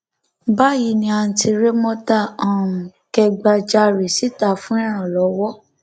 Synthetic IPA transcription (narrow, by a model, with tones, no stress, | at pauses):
ba˦ji˨˧nĩ˧a˧ñ̩˧ti˧ɾe˦mɔ̃˦ta˦˨ã˨ũ˨kɛ˧ɡ͡ba˧d͡ʒa˧ɾe˨si˨˦ta˦˨fũ˦ɛ˦˨ɾ̃ã˨lɔ˨˦wɔ˦